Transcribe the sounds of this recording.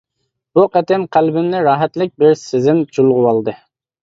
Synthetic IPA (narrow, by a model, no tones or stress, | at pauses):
b̥uqɛt̪ɛmqʰælbɪnnɪɾɑːɦɛt̪lɪk̚ʲbɪɾsɪzɪnt͡ʃʰulˠʁʊwɑlˠd̪ɨ